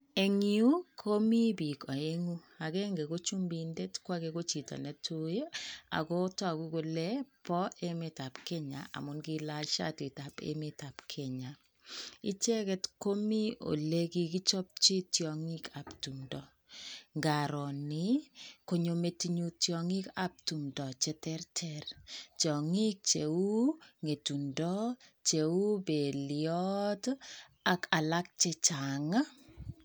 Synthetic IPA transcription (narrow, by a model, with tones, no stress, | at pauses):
e˨ŋi˦u˦kʰo˦mi˦bi˨ka˨e˦ŋu˦ | a˨ke˦ŋɡe˨ko˦t͡ʃu˦mbi˨nde˦tkwa˦ke˨ko˦t͡ʃi˨tɔ̰˨nɛ˨tʰu˦ja̰˨ko˦tɔ˦˨ku˦ko˦lɛ˦pɔ˦ʔe˦me˨ta˨pkɛ˦ɲa̰˨a̰˨mʊ˨˦nɡi˦la˦ʃa̰˦ti˨ta˨pḛ˦me˦ta˨pkʰe˨ɲa˨ | i˦t͡ʃɛ˦kɛ˦tko˦mi˦o̰˨le˦ki˦ki˦t͡ʃɔ˦p̚t͡ʃi˦tjɔŋi˦kʰa˨ptu˨mdɔ | ŋɡa˨ɾɔ˨ni˨ko˨ɲo˨me˨ti˦ɲu˦tjɔ˨ŋi˦ka˨p̚tu˨mdɔ˨t͡ʃɛ˦tɛrtʰɛrtɔ˨ŋi˦k̚t͡ʃe˨u˦ŋe˨tu˨ndɔ˦t͡ʃe˨u˦be˨ljɔt | a˨ka˨la˦k̚t͡ʃe˦t͡ʃa˨ŋa˦